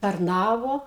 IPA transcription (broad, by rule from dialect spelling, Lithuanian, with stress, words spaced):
tɐrˈnɑːʋoː